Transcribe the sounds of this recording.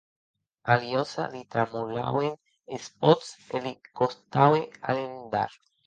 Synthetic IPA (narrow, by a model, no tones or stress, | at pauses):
aljosa̰ðit̪ɾamula̰wen | espot̪selikost̪awealend̪a̰ɾ